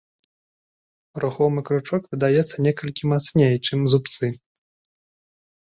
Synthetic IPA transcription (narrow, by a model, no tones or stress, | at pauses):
ɾuxɔmɨkɾut͡ʂɔkvʲɨd̪ajɛt̪sːɐnʲɛkɐlʲkʲimat̪snʲejt͡ʂɨmzup̚t̪sɨ